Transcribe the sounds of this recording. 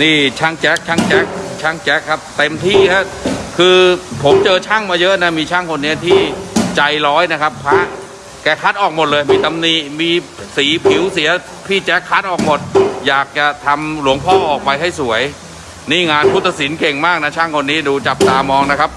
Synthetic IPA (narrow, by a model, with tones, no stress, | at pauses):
niː˥˩t͡ɕʰa˥˩ŋt͡ɕɛː˦˥k̚t͡ɕʰaː˦˥˩ŋt͡ɕɛː˦˥k̚t͡ɕʰa˥˩ŋt͡ɕɛ˦˥kʰːa˦˥p̚t̪e˧mt̪ʰiː˥˩na˦˥ | kʰɯː˧pʰo˩˦mt͡ɕɤː˧t͡ɕʰaː˥˩ŋmaː˧jɤ˦˥ʔna˦˥miː˧t͡ɕʰaː˥˩ŋkʰo˧nːi˦˥ɐt̪ʰiː˥˩t͡ɕa˧jlɔː˦˥jna˦˥kʰa˦˥pʰːaː˦˥ʔ | kɛː˧˩kʰaː˦˥t̪̚ʔɔː˨˩k̚mo˨˩t̪̚lɤː˧jmiː˧t̪a˧mniː˧˩miː˧siː˩˦pʰi˨˩˦wsi˩˦ɐ | pʰiː˥˩t͡ɕɛː˦˥kʰːaː˦˥t̪̚ʔɔː˨˩k̚mo˨˩t̪̚jaː˨˩k̚t͡ɕa˨˩t̪ʰa˧mlu˩˦əŋpʰɔː˥˩ʔɔː˨˩k̚pa˧jɦa˥˩jsu˩˦əj | niː˥˩ŋaː˧npʰu˦˥t̪ʰːa˧si˩˦nke˨˩ŋmaː˥˩k̚na˦˥t͡ɕʰaː˥˩ŋkʰo˧nːiː˦˥duː˧t͡ɕa˨˩p̚t̪aː˧mɔː˧ŋna˦˥kʰa˦˥p̚